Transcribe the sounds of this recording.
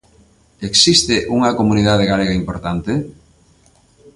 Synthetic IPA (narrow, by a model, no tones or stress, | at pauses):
eksist̪ɪʔuŋɐkomuniðað̞eɣaleɣaimpoɾt̪ant̪ɪ